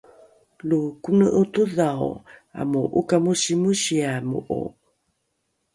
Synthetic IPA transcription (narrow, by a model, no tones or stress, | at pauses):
lukunəʔut̪uðawa̰muʔukamuɕimuɕiamṵʔṵ